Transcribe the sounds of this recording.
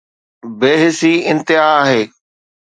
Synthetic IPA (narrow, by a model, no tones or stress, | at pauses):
beːɦɪsiːɪ̃nt̪ɪɦaːɦeː